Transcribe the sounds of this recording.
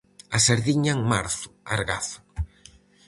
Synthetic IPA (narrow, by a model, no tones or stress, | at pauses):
aseɾðiɲaŋmaɾθʊ̥aɾɣa̰θʊ̥